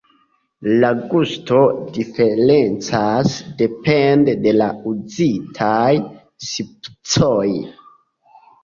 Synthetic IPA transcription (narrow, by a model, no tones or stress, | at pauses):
laɡusto̞dife̞ɾent͡sasde̞pendede̞lauzitʰaj | sipt͡soj